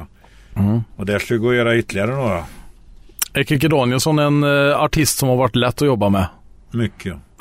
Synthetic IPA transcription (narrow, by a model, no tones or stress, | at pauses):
ɔd̪æʂkɑɾɪɡoːjøːɾaʏt̪ːlɪaɾənoːɾa | ɛkɪk̬əd̪oːnɪəsɔnɛnɑʈʰɪst̪sɔmhɑɾʋæʈːlɛt̪ːɔjɔbːɑmɛ | mʏkʰːə